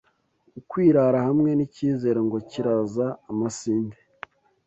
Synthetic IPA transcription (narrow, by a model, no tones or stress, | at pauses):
ukwiːɾaɾahamŋe̞niciːze̞ːɾeŋɡo̞ciɾazaːmasiːnde